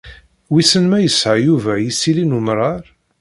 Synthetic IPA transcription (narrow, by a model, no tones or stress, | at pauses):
wisənmæjəsʕajuvæjisːilinumɾˤɑɾˤ